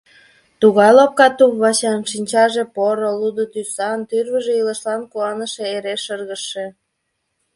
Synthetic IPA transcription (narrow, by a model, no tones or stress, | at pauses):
t̪uɣɑjlop̚kɑt̪upβɑɕɑnʃinʲt͡ɕɑʒepoɾolud̪ot̪ysɑnt̪yrβəʒeiləʃlɑnkuɑnəʃeeɾeʃərɣəʃe